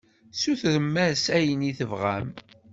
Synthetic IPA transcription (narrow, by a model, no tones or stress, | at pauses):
suθðəmːæsæjəniθəvʁæ̰m